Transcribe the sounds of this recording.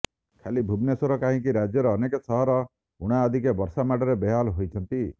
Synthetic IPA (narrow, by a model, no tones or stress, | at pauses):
kʰalibʱubnesoɾɔkaɦĩkiɾad͡ʒjʌɾɔːnekɔsɔɦɔɾɔ | uɽ̃aːd̪ʱikebɔɾsamaʈɔɾebeɦalɦojt͡ʃʰʌnt̪i